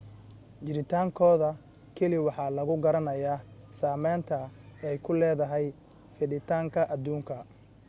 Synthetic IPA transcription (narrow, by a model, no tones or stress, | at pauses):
t͡ʃɪɾɪt̪ʰaːŋkʰɔːðɐ | kʰɛlɪwɑħɑːlɐɣʊɡɐɾɐnɐjaːsaːmɛːnt̪ʰɐɛjkʰʊlɛːðɐɦɛj | fɪɖɪt̪ʰaːŋkʰɐʔɐd̪uːŋkʰɐ